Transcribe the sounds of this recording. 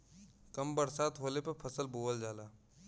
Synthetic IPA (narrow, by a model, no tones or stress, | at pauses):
kəmbəɾsaːt̪ɦoːlepepʰəsəlboːʋəld͡ʒaːlaː